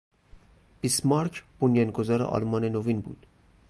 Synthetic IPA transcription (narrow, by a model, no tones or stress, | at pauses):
b̥ismɑɾkʰb̥onjɑnɡozɒːɾḛʔɒ̰lmɒːnenovinbṵːd̪̥